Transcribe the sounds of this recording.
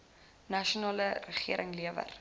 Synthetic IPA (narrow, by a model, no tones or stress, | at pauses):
nɐʃunɑːlərəχiəɾʔəŋliəvə̰r